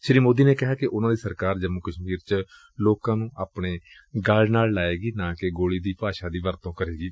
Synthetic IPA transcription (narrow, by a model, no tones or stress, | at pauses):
ʃɾiːmoːd̪iːneːkɪɦaːkɪʔʊnãːd̪iːsəɾkaːɾd͡ʒəmukəʃmiːɾt͡ʃ | loːkãːnũːʔaːpɳeː | ɡəlnaːllaːeːɡiːnãːkɪɡoːɽiːd̪iːpaːʃãːd̪iːʋəɾt̪õːkəɾeːɡiː